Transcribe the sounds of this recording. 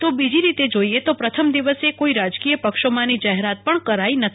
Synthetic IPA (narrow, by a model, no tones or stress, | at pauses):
t̪obid͡ʒiɾit̪ed͡ʒoiet̪opɾət̪ʰəmd̪iʋəsekoiɾad͡ʒkijəpəkʃomãnid͡ʒaɦeɾat̪̚pəɳkəɾainət̪ʰ